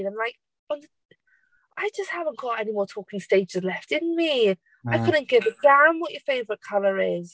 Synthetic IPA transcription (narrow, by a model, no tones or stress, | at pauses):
nãɪ̃mlaɪk̚ | ə̃n | ʔaɪd͡ʒʌsthavə̃nɡ̥ɔtɛnimɔːtʰɔːˑkɪ̃ŋsteɪd͡ʒɪzlɛftɪ̃nmi | aɪkʰʊdⁿn̩ɡ̥ɪvəd̥amwɒt͡ʃəfeɪvəɹɪʔ̚kʰʌləɹɪz̥